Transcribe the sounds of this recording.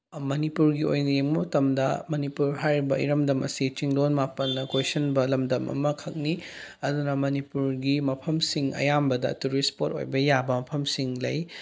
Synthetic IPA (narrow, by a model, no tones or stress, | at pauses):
mɐnipuɾɡiojnɐjeŋmɐmɐtɐmdɐmɐnipuɾɦajɾibɐḭɾɐmdɐmʔɐ̰sit͡ʃiŋlonmapɐnːɐkwesɐnbɐlɐmdɐmʔɐ̰mɐkʰɐk̚niɐd̪unɐmɐnipuɾɡimɐpʰɐmsiŋɐ̰jambɐdɐ̰tuɾispoto̰jbɐjabɐmɐpʰɐmsiŋlɐj